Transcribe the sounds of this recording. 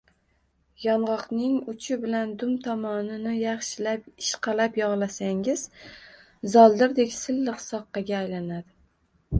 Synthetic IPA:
jɒnʁɒqnɪŋʊt͡ʃʰɪbɪland̪ʊmt̪ʰɒmɒnɪnɪjɑχʃɪlapɪʃqʰɑlapjɒʁlˠasaŋɪz̥ | zɒlˠd̪ɪɾd̪ekʲsɪlːɨqsɒqːɑɡʲaːjlanad̪ɪ

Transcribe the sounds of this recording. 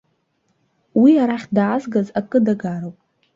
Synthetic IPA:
wiaɾaχʲdaːzɡazakʼɨdaɡaɾowpʼ

